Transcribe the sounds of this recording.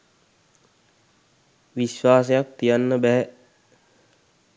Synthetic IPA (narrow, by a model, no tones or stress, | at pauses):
ʋiʃʋaːs̬ejak̚t̪ijanːəbæɦɛ